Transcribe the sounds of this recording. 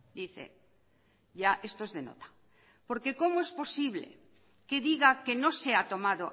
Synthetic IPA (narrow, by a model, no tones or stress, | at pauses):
d̪iθḛ | ʝaʔe̞st̪oezðeno̰t̪ḁ | po̞ɾke̞ko̞moe̞spo̞siβle̞̰ | ke̞ðiɣake̞no̞se̞at̪o̞maðo̞